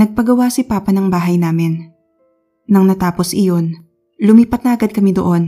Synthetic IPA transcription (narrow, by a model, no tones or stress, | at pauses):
nɐɡ̚pɐɡɐwasipaːpɐnɐŋbaːɦɐjnaːmɪn | ɐŋnɐt̪aːposʔɪjo̞n | lʊmiːpɐt̪̚nɐʔɐɡad̪̚kɐmid̪o̰ʔo̞n